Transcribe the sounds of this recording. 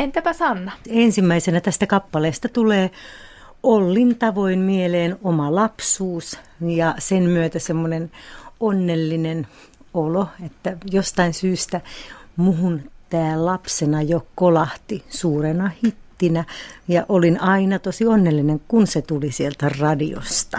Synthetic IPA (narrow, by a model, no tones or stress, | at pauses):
ent̪epæsɑnːɑensimːæisenæt̪æst̪ækɑpːɑleːst̪ɑt̪uleː | olːint̪ɑʋoinmieleːnomɑlɑpsuːs | jɑsenmyøt̪æsemːonenonːelːinen | oloet̪ːæjost̪ɑinsyːst̪æmuhunt̪æːllɑpsenɑjokolɑht̪isuːrenɑhit̪ːinæjɑʔolinɑinɑt̪osionːelːineŋkunset̪ulisielt̪ærɑdio̰st̪ɑ